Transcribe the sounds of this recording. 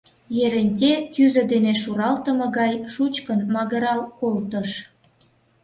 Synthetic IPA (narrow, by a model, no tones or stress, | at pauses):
jeɾenʲtʲekyzə̆d̪eneʃuɾɑlt̪ə̆mɤ̆ɣɑjʃut͡ɕkənmɑɣəɾɑlkolt̪əʃ